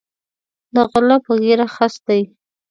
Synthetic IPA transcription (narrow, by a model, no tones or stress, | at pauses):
d̪əɣʊlɑpəɣeɾaxast̪aji